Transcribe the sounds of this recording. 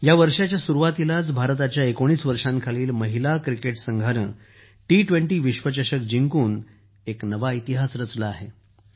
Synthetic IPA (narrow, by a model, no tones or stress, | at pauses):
jaʋəɾʂat͡ɕjasuɾuʋat̪ilat͡sbʱaɾt̪at͡ɕjaekoɽ̃iːsʋəɾʂãnkʰaliːlməɦilakɾikeʈsəŋɡʱaɾə̰ɳ | ʈiʈʋẽɳʈiːʋiɕʋət͡ɕəɕək̚d͡ʑiŋkuːn | eknəʋait̪iɦasɾət͡slaːɦe